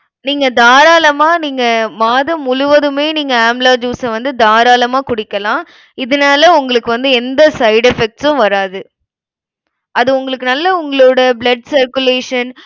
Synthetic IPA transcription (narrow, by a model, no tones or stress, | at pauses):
niːŋɡɐd̪aːɾaːlɐmaːniːŋɡɐmaːðɐmʊɻʊʋɐðɯmeːniːŋɡɐaːmblaːd͡ʒuːsɐʋɐnd̪ɯd̪aːɾaːlɐmaːkʊɽɪkːɐlãː | ɪðɯnaːlɐʊŋɡɐɭɯkːɯʋɐnd̪ɯɛnd̪ɐsɐɪɖɛfɛk̚ʈsʊ̃ʋɐɾaːðɯ | ɐðɯʊŋɡɐɭɯkːɯnɐlːɐʊŋɡɐɭoːɽɐblɐɖsɐɾkɯleːʂɐn